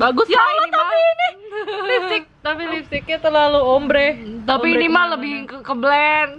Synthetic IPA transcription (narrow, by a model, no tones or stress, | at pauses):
baɡʊsjalɔt̪apiːnilifstɪk̚t̪apilifsɪk̚ɲat̪ərlaluombɾɛt̪apinimaləbɪkəkəblɛn